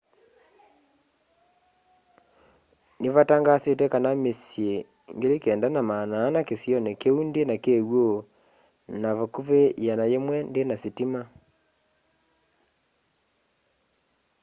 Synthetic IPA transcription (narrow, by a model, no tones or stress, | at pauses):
neβataŋɡasetɛkanamesje | ŋɡeɾekɛːndanamaːnaːnakesjɔnekeundenakeɣwo | naβakuβejanajemwɛndenasitima